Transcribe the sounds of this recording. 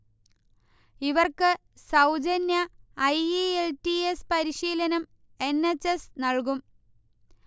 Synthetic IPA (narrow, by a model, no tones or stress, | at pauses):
iʋɐrkɨ | sɐwd͡ʑɐnjɐːjeeltiespɐɾiɕiːlɐnɐm | e̞nːet͡ɕːesnɐɭkum